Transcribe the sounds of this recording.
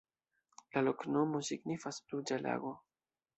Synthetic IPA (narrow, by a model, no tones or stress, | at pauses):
laloknomo̞siɡnifaslud͡ʒala̰ɡo̞